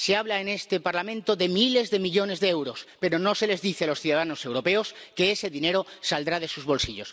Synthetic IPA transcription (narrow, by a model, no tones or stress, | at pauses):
seaβlaene̞st̪e̞paɾlamẽnt̪oðe̞mile̞zðe̞miʎo̞ne̞zðeewɾo̞spe̞ɾo̞no̞se̞le̞zðiθealo̞sθjuðaðano̞se̞wɾo̞pe̞oske̞ese̞ðine̞ɾosald̪ɾað̞e̞suzβo̞lsiʎo̞s